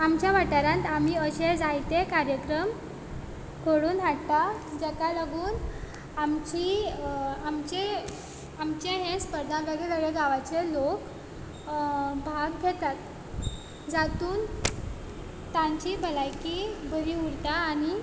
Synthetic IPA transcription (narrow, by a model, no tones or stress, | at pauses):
amt͡ɕjaʋaʈaɾãnt̪am̤iːəɕed͡zajt̪ekaɾjəkɾəm | kʰoɽuːnʋaɽt̪ad͡ʑɛkalaɡuːn | amt͡ɕi | amt͡ɕe | amt͡ɕeɦespəɾd̪ʱãbaɡeləɡɭeɡaʋat͡ɕelok | bʱaɡɡʱet̪at̪ | d͡zat̪uːn | t̪ãɲt͡ɕiːbəlajkibəɾiɦuɾt̪aːñi